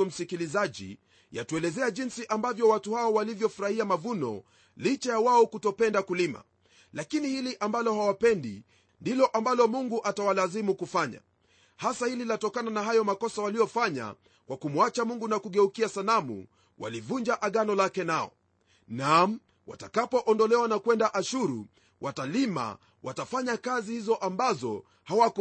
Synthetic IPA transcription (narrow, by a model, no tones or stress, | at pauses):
um̩sikilizaʄḭ | ja̰tuɛlɛzɛaʄinsiʔambavjɔwatuhaɔwalivjɔfuɾahiamavunɔ̰ | lit͡ʃajawaɔkutɔpɛndakulima̰ | lakinihiliʔambalɔhawapɛndḭ | ndilɔʔambalɔmuŋɡuʔatawalazimukufaɲa̰ | hasahililatɔkananaɦajɔmakɔsawalijɔfaɲa̰ | kwʔakumwat͡ʃamuŋɡunakuɠɛukiasalamṵ | wa̰livuɲd͡ʒaʔaɠanɔlakɛnaɔ̰ | nam̩ | wa̰takapɔʔɔndɔlɛwanakwɛndaʔaʃuɾṵ | watalima̰ | watafaɲakazihizɔʔambazɔ | hawak